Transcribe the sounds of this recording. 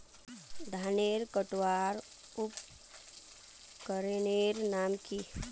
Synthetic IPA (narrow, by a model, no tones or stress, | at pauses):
d̪ʱaːneːɾkəʈwaːɾ | ʊp | kəɾeneːɾnaːmki